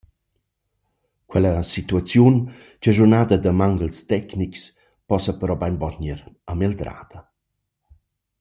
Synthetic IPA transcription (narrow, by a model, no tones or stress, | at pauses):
kwɛləsit̪uat͡sjun | t͡ʃəʒurnaːd̪əd̪əmaŋɡəlst̪ɛkniks | pɔsəpəɾɔbajnvɔɲəɾameld̪ɾa̰ːd̪̥ɐ